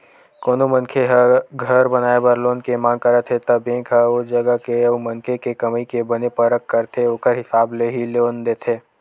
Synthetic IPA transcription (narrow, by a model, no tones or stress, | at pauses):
koːnomɐ̃nkʰeɦɡʱəɾbɐnaːebəɾloːnkemãːŋɡ̚kəɾət̪ʰet̪ɐbẽːkʰɦəod͡ʒɐɡəkemɐnkʰekekɐmikebɐnepɐɾəkːəɾt̪ʰeoːkəɾɦɪsaːbleɦiloːnd̪eːt̪ʰeː